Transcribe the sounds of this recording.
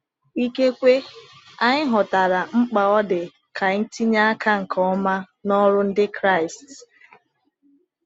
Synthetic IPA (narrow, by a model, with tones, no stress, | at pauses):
i˦ke˦kʷe˦ | a˦ɲɪ˦ɦɔ˨ta˨ɾa˨ŋ͡m̩˦k͡pa˨ɔ˦dɪ˨ | kʰa˨˦n̩˦ti˦ɲa˦a˦kʰa˦ŋ̩˨kʰɔ˦ma˦ | nɔ˦ɾʊ˦n̩˦dɪ˦kɾa˦˨ɪ˨st